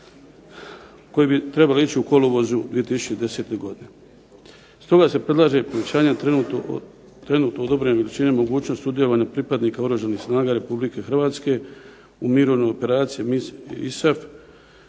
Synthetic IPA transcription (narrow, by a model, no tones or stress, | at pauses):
ko̞jibit̪ɾe̞baloit͡ɕiuko̞loʋo̞zud̪ʋijet̪isu̥t͡ʃed̪eset̪e̞ɡo̞d̪ine̞ | st̪o̞ɡase̞pɾe̞d̪lˠaːʒe̞po̞ʋe̞t͡ɕaːɲat̪ | t̪ɾe̞nuːt̪nood̪obɾe̞neʋelit͡ɕinemo̞ɡuːt͡ɕno̞st̪ud̪je̞lo̞ʋaːɲapɾipad̪niːkaoɾuʒanixsnaːɡaɾe̞publike̞xrʋaːt̪ske̞ | umiɾo̞ʋnojo̞pe̞ɾaːt̪sijeiḭsaf